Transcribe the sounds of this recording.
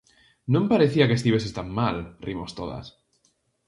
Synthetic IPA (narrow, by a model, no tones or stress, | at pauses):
nõmpaɾeθiakest̪iβesest̪amːalrimost̪oða̰s